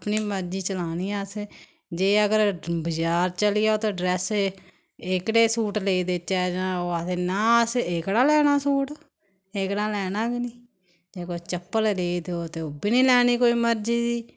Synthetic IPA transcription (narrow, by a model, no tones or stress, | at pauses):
pniːməɾd͡ʒiːt͡ʃəlaːniːaːse | d͡ʒeːəɡəɾbəd͡ʒaːɾt͡ʃəlɪjaːoːt̪eːɖɾɛːs | ɪkɽeːsuːʈleːid̪eːt͡ʃːɛːd͡ʒãːoːat̪eːnãːsekɽaːlɛːnaːsuːʈ | eːkɽãːlɛːnãːɡniː | d͡ʒeːkoːt͡ʃəpːəlleːid̪eoːt̪eːoːbɪniːlɛːniːkoːiːməɾd͡ʒiːd̪iː